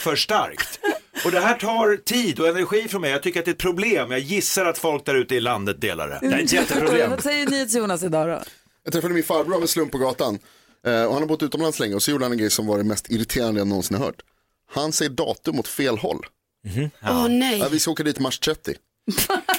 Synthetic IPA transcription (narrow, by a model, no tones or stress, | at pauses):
fœʂʈa̰ɾkt̪ɔd̪ɛɦæːʈʰɑːɾt̪ʰiːd̪ɔɛnæɾɧiːfɾɔnmɛjat̪ʰʏkːəɾat̪̚dɛt̪̚pʰɾʊbleːmjɑɡjɪsːaɾat̪fɔlk̚d̪æɾʉ̟ːt̪əɪland̪ət̪̚d̪ḛːla̰ɾə̰æɾɪnjɛt̪ːəpɾʊbleːmsɛjːəniːeːt̪sjuːnasɪd̪ɑːɾɔ̰ | jɑɡ̚t̪ʰɾɛfad̪əmɪnfaɾbɾamɛnslɵmpːɔɡɑːt̪an | ɔhanhaɾbʊt̪ːʉ̟ːt̪ɔmlanslɛŋːɾəɔsɔjuːɖəhanɛnɡɾɛjsɔmvaɾɛmɛst̪ʰɪɾɪt̪ʰeːɾand̪əɛnnːɔnsɪnhaɾhœ̰ːʈ | hansɛjːəɖɑ̰ːt̪ɵmɔt̪feːlɦɔ̰lː | ɔnɛjavɪskaoːkad̪iːt̪maʂt̪ʰɾɛt̪ːɪ̰